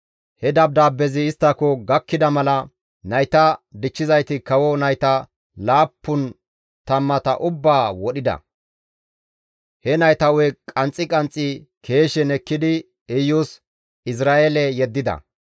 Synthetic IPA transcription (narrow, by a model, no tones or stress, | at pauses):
hɛd̪ɐb̚d̪aːbːɛzɪːst̪ːɐkɔɡɐkːɪd̪ɐmɐlɐ | nɐjt̪ɐd̪ɪt͡ʃːɪzɐjt̪ɪkɐwɔnɐjt̪ɐ | laːpːʊn | t̪ɐmːɐt̪ɐʔʊbːaːwɔɗɪd̪ɐ̰ | hɛnɐjt̪ɐwɛkʼɐnt͡sʼːɪkʼɐnt͡sʼːɪ | kʰe̞ːʃɛnɛkːɪd̪ɪ | ɛjus | ɪs̬ɾaːʔɛlɛjɛd̪ːɪd̪ɐ̰